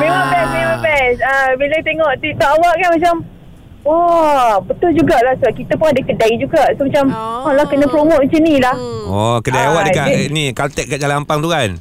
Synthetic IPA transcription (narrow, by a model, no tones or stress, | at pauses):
mewaʔpɛsmewapɛsəbilat̪eŋɔʔt̪it̪aʔawaʔkanmat͡ʃam | ɔbət̪ʊld͡ʒuɡaʔlahsəbaʔ̚kit̪apʊnadəkədaid͡ʒuɡaʔsomat͡ʃamɔlahkənə̃pɾomot̪̚t͡ʃənilahɔkədajawaʔdəkaʔnikat̪ɛʔ̚kaʔɡalaampaŋt̪uɦan